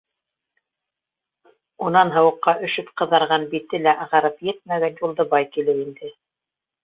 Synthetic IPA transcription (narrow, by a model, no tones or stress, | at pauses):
unɑnɦɤ̆wɤ̆qːɑʔɵ̆ʃɵpqɤ̆ðɑɾʁɑnbit̪ːɘlæʔɑʁɑɾɤpjɘt̪̚mæɡænjulˠd̪ɤbɑjkilɘwind̪ɘ